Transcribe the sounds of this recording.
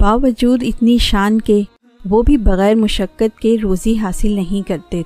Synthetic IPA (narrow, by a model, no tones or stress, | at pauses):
baːʋɐd͡ʒuːd̪ɪt̪niʃaːnke | ʋobʱibɐɣɛːɾmʊʃəkːət̪̚keɾoːziɦaːsɪlnɐɦĩkɐɾt̪e